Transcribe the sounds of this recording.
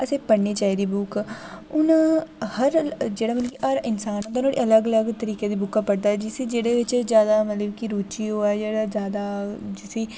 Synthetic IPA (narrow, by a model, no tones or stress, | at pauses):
əsẽːpəɽneːt͡ʃaːiːd̪iːbʊkʊnãːhəɾd͡ʒeːɽaːmət̪ləkiəɾɪnsaːnt̪aʊnãːɽiːələɡələɡt̪əɾiːkeːd̪iːbʊkːaːpəɽd̪aːɛd͡ʒɪsiːd͡ʒeːɽeːʋɪt͡ʃzjaːd̪aːmət̪ləbkiɾuːt͡ʃiːɦoːad͡ʒeːɽaːzjaːd̪aːd͡ʒɪsiː